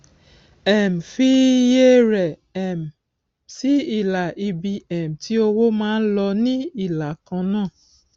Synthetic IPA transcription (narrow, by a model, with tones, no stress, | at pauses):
ɛ˨m̩˨fi˦je˦ɾɛ˨ɛ˨m˨ | si˦i˦˨la˨ʔi˧bi˧ɛ˨m̩˨ti˨˦o˧wo˦mãː˦n̩˦lɔ˧nĩ˦i˦˨la˨kã˧nãː˦˨